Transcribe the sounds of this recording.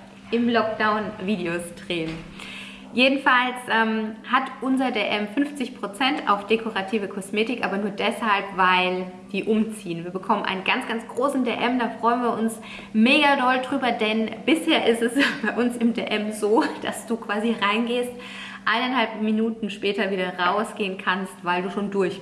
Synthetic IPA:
ʔɪmlɔk̚d̥aʊnviːdeostʁ̥eːən | jeːdn̩falsʔɛːmhatʔʊnzɐdeːʔɛmfʏnft͡sɪçpʁ̥ot͡sɛnta̰ʊfd̥ekʰoʁatʰiːvəkʰɔsmeːtɪkʔaːbɐnuːɐdɛshalpvaɪld̥iːʔʊmt͡siːənviːɐbəkʰɔmənʔa̰ɪnənɡ̥ant͡sɡ̥ant͡sɡ̥ʁoːsn̩deːʔɛmdaːfʁ̥ɔʏənviːɐʊns | meːɡadɔldʁyːbɐdɛnb̥ɪsheːɐʔɪstɛsb̥aɪʔʊnsɪmdeːʔɛmzoːd̥a̰sd̥uːkv̥aːziʁaɪnɡeːst | ʔaɪnaɪnhalp̚minuːtn̩ʃpɛːtɐviːdɐʁaʊsɡ̥eːənkʰanstvaɪlduːʃoːndʊɐç

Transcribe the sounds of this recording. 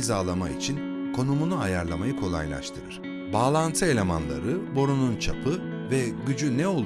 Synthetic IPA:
zaːlˠamaḭt͡ʃʰinkʰo̞numunuajaɾlˠamajɯkʰo̞lˠa̰jlˠa̰ʃt̪ʰɯɾɯɾ̥ | baːlˠant̪ʰɯe̞lʲe̞ma̰nlˠa̰ɾɯbo̞ɾununt͡ʃʰapʰɯ | vɛɟyd͡ʒynɛo̞lˠ

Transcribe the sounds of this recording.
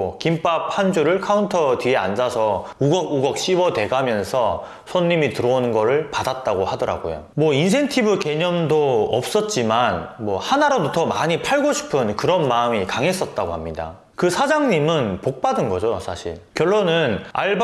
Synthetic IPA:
kimpap̚hand͡ʑuɾɯɭkʰauntʰʌtie̞a̰nd͡ʑasʰʌuɡʌk̚uɡʌk̚ɕ͈iwʌte̞ɡamjʌnsʰʌ | sʰonːimitɯɾʌonɯnɡʌɾɯɭpadat̚t͈aɡohadʌɾa̰ɡo̰jo̰ | mwʌins̬ʰe̞ntʰibuke̞ɲʌmdoʌp̚s͈ʌt̚t͡ɕ͈imanmwʌhanaɾadotʌmaɲipʰaɭɡoɕʰi̥pʰɯnkɯɾʌnmaɯmikaŋe̞s͈ʌt̚t͈aɡohamɲida̰ | kɯsʰad͡ʑaŋɲimɯnpok̚p͈adɯnɡʌd͡ʑojsʰaɕʰḭɭkjʌɭːonɯna̰ɭb

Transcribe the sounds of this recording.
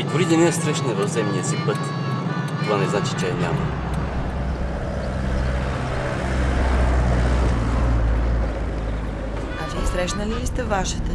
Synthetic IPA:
id̪oɾid̪ɛnɛəsɾɛʃnɛvɐfzɛmniəsipɤt̪ | t̪ovanɛznat͡ʃi̥t͡ʃɛɛnʲa̰mə̰ | aviɛsɾɛʃnəliist̪ɛvaʃit̪ɛ

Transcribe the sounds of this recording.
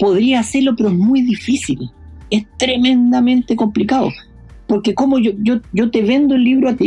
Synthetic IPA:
po̞ðɾiaːseɾlopeɾoezmujðifisilest̪ɾeme̞nd̪amẽ̞nt̪eko̞mplikaðo̰ | poɾkeko̞moʝoʝoʝot̪eβe̞nd̪oelːiβɾoat̪i

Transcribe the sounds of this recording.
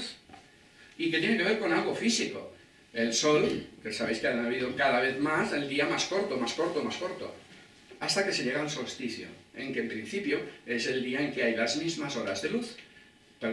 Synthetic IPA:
θ | iket̪jeneke̞β̞e̞ɾko̞nalɣo̞fisiko̞̰ | e̞lso̞lkesaβe̞jskeaaβ̞ið̞okaðaβ̞e̞θmase̞ld̪iamasko̞ɾt̪o̞masko̞ɾt̪omasko̞ɾt̪o̞̰ | ast̪akese̞ʎe̞ɣ̞aunsolst̪iθjo̰e̞ŋke̞ːmpɾin̟θipjo̞e̞se̞ld̪iae̞ŋke̞ajlazmizmaso̞ɾazðe̞luθ | pe

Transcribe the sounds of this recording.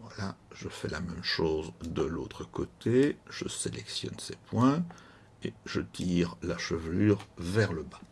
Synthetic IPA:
vwalaʒəfɛlamɛmʃoːzd̪əlot̪χəkot̪ʰeʒ̥əselʔɛksjɔ̰nsepwɛ̃ | eʒət̪ʰiːʁlaʃəvlyːʁvɛʁləba

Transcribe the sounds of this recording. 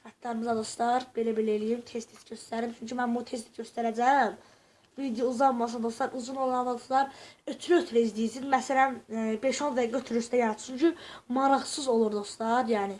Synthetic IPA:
xæt̪ʰːɑɾɯmizɑd̪oslˠɑɾb̥e̞læbelæelijimt̪ʰest̪ʰisɟøst̪æɾɾimt͡ʃʰyɲcʰymænbut̪ʰes̬t̪iɟøst̪æɾæd͡ʒæm | vid̪ejouzɑlˠmɑs̬ɑnd̪ost̪ɑɾʔuzunolˠɑnlˠɑd̪ost̪ˠɑɾøt̪ʰɾøøt̪ʰɾeizd̪ijisizmæsælænbeʃonvæɡøt̪ʰyɾyst̪æjɑɾɑt̪ʰsuɲcʰymɑɾɑʁsɯzo̞lˠuɾd̪o̞st̪ɑɾjæːni

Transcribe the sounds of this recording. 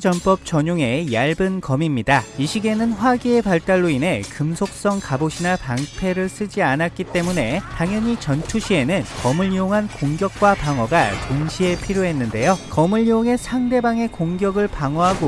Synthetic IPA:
t͡ɕʌnp͈ʌp̚t͡ɕʌɲoŋejaɭbɯnkʌmimɲidaiɕʰiɡe̞nɯnɸwaɡie̞paɭt͈aɭːoinɦe̞kɯmsʰok̚s͈ʌŋkaboɕʰinapaŋpʰe̞ɾɯɭs͈ɯd͡ʑianat̚k͈it͈e̞mune̞taŋjʌɲit͡ɕʌntʰuɕʰie̞nɯnkʌmɯʎːioŋɦankoŋɡjʌk̚k͈wapaŋʌɡatonɕʰie̞pʰiɾjoɦe̞nːɯnde̞jokʌmɯʎːioŋe̞sʰaŋde̞baŋe̞koŋɡjʌɡɯɭpaŋwʌɦaɡo

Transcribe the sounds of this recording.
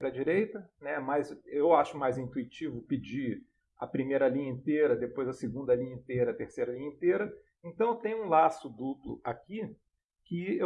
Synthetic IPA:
ɾɐd͡ʒiɾejt̪ɐnɛmajzewaʃʊmajzĩnt̪uit͡ʃivʊpid͡ʒi | ɐ̰pɾimejɾɐlĩɲɐẽnt̪eɾɐd̪epojzɐsɪɡũnd̪ɐlĩɲɐẽt̪eɾɐt̪eɾsejɾɐlĩɲẽnt̪eɾɐ | ẽnt̪ɐ̃w̃t̪ẽj̃ũlasʊd̪uplʊ̰aki | kɪe

